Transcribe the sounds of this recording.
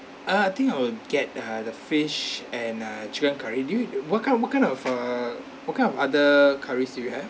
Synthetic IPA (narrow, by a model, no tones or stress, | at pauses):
aajt̪ĩŋkaɪwəɡɛt̚ʌdəfɪʃɛ̃nʌt͡ʃikə̃nkʰaɹidujuwɔt̚kãɪ̃nwɔtkãɪ̃nɔfa | wɔtkãj̃nɔfadəkʰaɹisdujuhɛv